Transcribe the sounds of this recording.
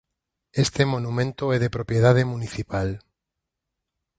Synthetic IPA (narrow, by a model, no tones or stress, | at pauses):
est̪emonumẽnt̪oɛðepɾopjeð̞að̞emuniθipal